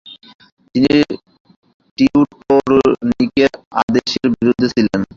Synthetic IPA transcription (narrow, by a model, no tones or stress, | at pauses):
t̪ini | ʈiuʈpoːɾnikʲːɨa̰d̪eɕjɐrbiɾud̪ʱːɐsilːɐn